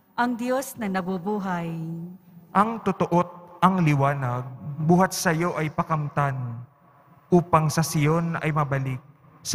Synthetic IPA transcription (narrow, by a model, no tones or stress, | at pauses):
ʔɐŋd̪jo̞snɐnɐbubuːɦɐj | ʔɐŋt̪ʊt̪oʔo̞t̪̚ɐŋlɪwaːnɐɡ̚buːhɐt̪̚sɐjo̞ʔɐjpɐkɐmt̪an | ʔuːpɐŋsɐsɪjo̞nɐ̰jmɐbɐlɪk̚ | s